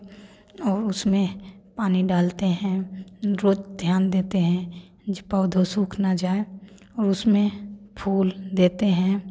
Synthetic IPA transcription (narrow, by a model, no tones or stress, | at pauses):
ɔːɾʊsmẽpaːniɖaːlt̪eɦɛ̃ɾoːd͡ʒd̪ʱjaːnd̪eːt̪eɦɛ̃ | pəʊd̪ʱosuːkʰnad͡ʒaːe | ɔːɾʊsmẽpʰuːld̪eːt̪eɦɛ̃